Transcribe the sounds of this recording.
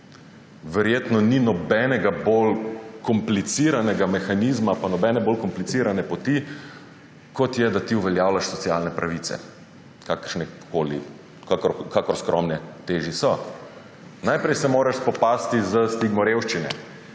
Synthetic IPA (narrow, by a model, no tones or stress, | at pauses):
ʋɛɾjeːt̪nɔninɔbɛnɛɡabolkɔmplit̪siɾanɛɡamɛxaniːzmapanɔbɛːnɛboːlkɔmplit̪siːɾanɛpɔt̪i | kɔt̪jɛd̪at̪iuʋɛljaːwlaʃsɔt̪sialnɛpɾaʋiːt̪sɛ̰ | kaːkəɾʃnɛkʰoːlḭ | kʰakɔɾskɾɔ̰mnɛt̪eːʒisɔ | najpɾɛjsɛmoːɾaʃspɔpast̪izəst̪iɡmɔɾewʃt͡ʃinɛ̰